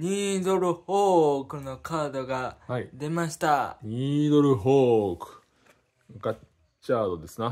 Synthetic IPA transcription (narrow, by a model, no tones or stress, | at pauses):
ɲ̟iːd̪o̞ɾɯ̟hoːkɯ̟no̞kʰaːd̪o̞ɡaaid̪e̞maɕi̥t̪aɲʲiːd̪oɾɯ̟ɦoːkɯ̟̥ | ka | t͡ɕaːd̪o̞d̪e̞sɨna